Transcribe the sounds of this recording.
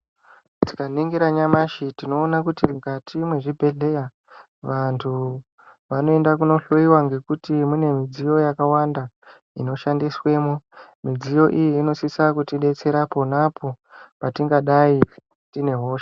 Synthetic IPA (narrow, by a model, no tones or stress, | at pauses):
ti̥kaniŋɡiɾaɲamaʃitino̞ːnakutimkatʰimwe̞ʐibʱe̞ɮe̞ja | ʋantʰu | ʋano̞e̞ndakuno̞ɬoiwaŋɡe̞kutimune̞mid͡zijo̞jakawanda | ḭno̞ʃandiswe̞ːmomid͡zijo̞ʔijiːno̞sisakutiɗe̞t͡se̞ɾapo̞napʰo̞ | patiŋɡaɗai | tine̞ɦo̞ːʃa